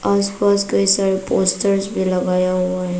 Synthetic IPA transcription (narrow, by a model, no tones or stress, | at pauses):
aːspaskəɦisaɾepoːsʈəɾsbʱiləɡajaɦuaɦe